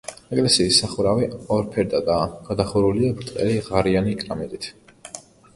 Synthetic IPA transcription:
ɛkʼlɛsiːsːaχuɾaviɔɾpʰɛɾd̪ad̪aɡ̥ad̪aχuɾuliabɾt̪ʼqʼɛ̰liʁaɾianikʼɾamɛt̪ʼit̪ʰ

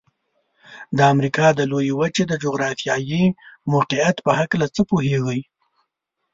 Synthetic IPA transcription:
d̪əamɾikɑd̪əlojewəd͡ʒed̪əd͡ʒoɣɾɑfjɑjimoqɪat̪pəhaklat͡səpoɦeɣəj

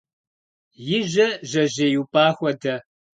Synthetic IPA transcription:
jɪʒɐʒɐʑeːjuːpʼaːxʷɔdɐ

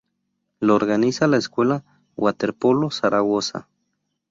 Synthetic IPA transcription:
looɾɣanisalaeskwela | wat̪eɾpolosaɾaɣosa̰

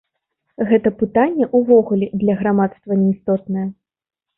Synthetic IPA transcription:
ɣɛt̪ɐpɨt̪anʲːɛʔuvɔɣulʲɛd̪lʲɐɣɾamat̪st̪vɐnʲɛjst̪ɔt̪nɐjɐ

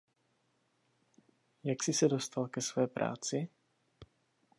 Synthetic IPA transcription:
jaksisad̪ɔst̪alkɛsʋɔjɛpɾa̰ːt͡si

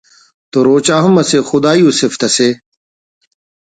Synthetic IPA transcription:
t̪oɾoːt͡ɕaːɦumɐsexʊd̪aːjuːseft̪ɐse

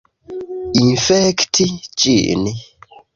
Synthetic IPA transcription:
infɛktʰit͡ʃʼḭʔni

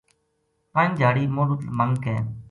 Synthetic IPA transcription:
pəɲd͡ʒʱaːɽiːmoːlut̪məŋɡkɛ̃ː

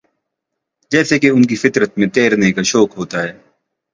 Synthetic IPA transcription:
d͡ʒɛːsekeʊnk̬ifɪt̪ɾət̪̚mẽt̪eːɾnekaʃɔːkɦoːt̪aɦɛː

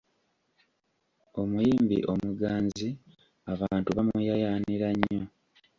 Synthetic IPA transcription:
o̞mujiːmbḭʔo̞muɡaːnzi | aβaːntuβamujajaːniɾaɲːo

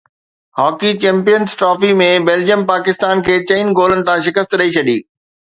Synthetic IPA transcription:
hɔːkit͡ɕɛ̃ːmpijənsʈɾɔːfimẽbeːld͡ʑijəmpaːkɪst̪aːnkʰeːt͡ɕɐ̃ːn̆ɡoːlənɪ̆t̪ʰãʃɪkəst̪ɾɐit͡ɕʰɐɗiː

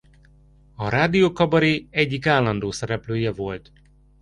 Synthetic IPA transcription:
ɒɾaːd̪ioːkɒbɒɾiɛɟːikaːlːɒnd̪oːsɛɾɛpløːjɛvo̞lt̪

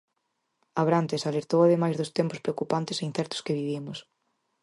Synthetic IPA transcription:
aβɾant̪esaleɾt̪owaðemajzðʊst̪empʊspɾeokupant̪eseinθɛɾt̪ʊ̥skeβiβimʊs

